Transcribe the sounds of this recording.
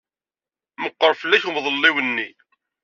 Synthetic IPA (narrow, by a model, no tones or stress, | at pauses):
məqːəɾˤfəlːæçmðˤəlːiwənːi